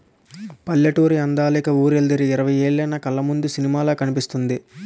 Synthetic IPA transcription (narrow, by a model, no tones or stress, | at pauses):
pɐlːɐʈuːɾiɐnd̪aːlikɐuːɾeld̪ɐɾiːɾɐʋɐje̞ːɭːɐjnɐkɐlːɐmund̪usinimaːlaːkɐnipist̪und̪i